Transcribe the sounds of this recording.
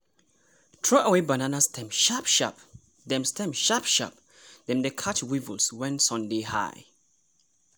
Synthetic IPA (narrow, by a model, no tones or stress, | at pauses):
tʰɹɔʔawebananastʰɛ̃mʃapʃa̰p | dɛ̃mstʰɛ̃mʃapʃa̰p̚ | d̥ɛ̃mdəkʰat͡ʃwivəlswɛ̃nsɔ̃ndeha̰ɪ